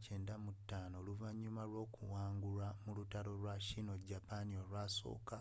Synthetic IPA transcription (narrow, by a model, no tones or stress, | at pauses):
ce̞ːndamutːaːno̞ːluvaɲːumalwo̞ːkuwaːŋɡulamulutaɾo̞lwaʃino̞ɟapanio̞lwaso̞̰ːka